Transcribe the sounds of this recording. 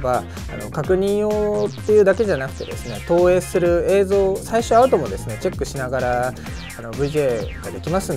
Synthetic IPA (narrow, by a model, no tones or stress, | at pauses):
ba̰ː | no̞̰kakɯ̟ɲ̟ĩɰ̃o̞ːt̪ːe̞jɯ̟ːd̪ake̞ʑanakɯ̟̥t̪e̞̰d̪e̞sɨne̞t̪o̞ːe̞ːsɨɾɯ̟e̞ːzo̞ːsaiɕo̞aɯt̪o̞mo̞d̪e̞sɨne̞t͡ɕe̞kːɯ̟ɕinaɡaɾa | ano̞bɯ̟iɡeːɡ̥ad̪e̞kʲimasɨn